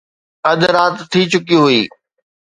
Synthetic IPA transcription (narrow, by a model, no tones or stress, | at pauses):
ɐd̪ɾaːt̪t̪ʰːit͡ɕʊkijũɦʊiː